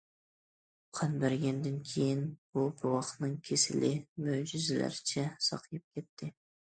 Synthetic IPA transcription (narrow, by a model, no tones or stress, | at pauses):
qʰɑnbæɾɡʲɛnd̪ɪnkʲʰejinbubɪɾwɑχt̪nɨŋkʲʰesɪ̰lɪmøwd͡ʒyzɪlæ̰ɾɪt͡ʃʰɛsɑ̰qʰjɨp̚kʲʰɛt̪ʰːɪ